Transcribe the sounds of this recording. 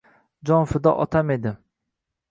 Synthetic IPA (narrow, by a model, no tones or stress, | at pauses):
d͡ʒɒnfɪd̪ɒʔɒt̪ʰamed̪ɪ